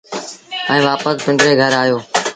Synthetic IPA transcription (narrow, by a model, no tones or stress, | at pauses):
ɛ̃ːʋaːpəspɪ̃ɳɖɾeːɡʱəɾaːjoː